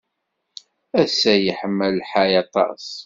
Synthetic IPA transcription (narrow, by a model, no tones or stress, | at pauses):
æsæjəħəmːəlħajɑt̪ˤɑ̰s